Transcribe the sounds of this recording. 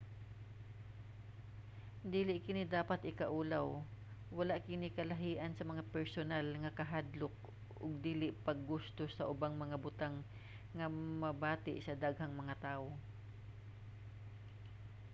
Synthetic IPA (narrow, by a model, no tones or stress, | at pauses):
d̪iːlɪʔkɪnɪd̪aːpat̪ʔɪkɐʔuːlaw | wɐlaʔkɪnɪkɐlɐɦiːʔɐnsɐmɐŋapɛɹsonalŋɐkɐɦad̪lʊk̚ | ʔʊ̰ɡ̚d̪iːlɪʔpɐɡːʊst̪osɐʔʊbaŋmɐŋabʊt̪aŋː | ɐmɐbaːt̪ɪ̰ʔsɐd̪aɡ̚hɐŋmɐŋat̪aːʔo